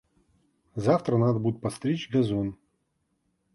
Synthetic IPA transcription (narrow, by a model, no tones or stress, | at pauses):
zaft̪ɾənad̪əbud̪ʲɪt̪̚pɐt̪st̪ɾʲet͡ʃɡɐzon